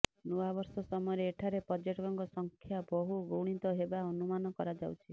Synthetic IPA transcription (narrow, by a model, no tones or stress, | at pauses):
nuwabɔɾsɔsɔmɔɔɾeːʈʰaɾepɔd͡ʒeʈɔɡɔŋɡɔsɔŋkʰjabɔɦuɡoɽ̃it̪ɔɦebaɔnumanɔkɔɾad͡ʒawt͡ʃʰi